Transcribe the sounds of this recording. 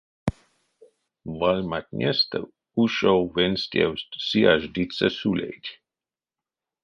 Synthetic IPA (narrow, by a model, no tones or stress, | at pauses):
valʲmat̪ʲnʲɛst̪ə̰ | uʃowvenʲst̪ʲɛ̰wssiaʒd̪it̪səsulʲḛjdʲ